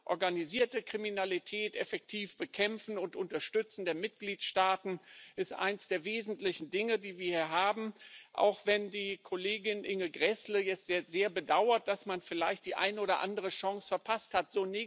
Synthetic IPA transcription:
ʔɔɐɡaniziːɐtəkʁ̥iminalitʰɛːtʔɛfɛk̚tʰiːfb̥əkʰɛmfn̩ʊntʔʊntɐʃtʏt͡sn̩deːɐmɪt̚ɡ̥liːtʃtaːtn̩ʔɪstʔa̰ɪnsd̥eːɐveːzn̩tlɪçn̩dɪŋədiːviːɐhiːɐɦaːbm̩ʔa̰ʊxv̥ɛndiːkʰoleːɡɪnʔɪŋəɡʁɛsləjɛt͡stz̥zeːɐbədaʊɐt̚d̥asmanfɪla̰ɪçt̚d̥iːʔa̰ɪnəʔoːɾɐʔa̰ndəʁ̞əʃɔŋsfɛɐpʰasthatz̥oːne

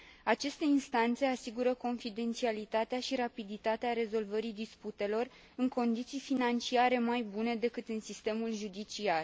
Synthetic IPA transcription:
at͡ʃe̞st̪e̞inst̪ant̪se̞asiɡuɾəko̞nfid̪e̞nt̪sialit̪at̪eaʃiɾapid̪it̪at̪eaɾe̞zo̞lvəɾid̪isput̪e̞lo̞r | ɨŋko̞nd̪it̪sijfinant͡ʃiaɾe̞majbune̞d̪e̞kɨt̪ɨnsist̪e̞mulʒud̪it͡ʃiar

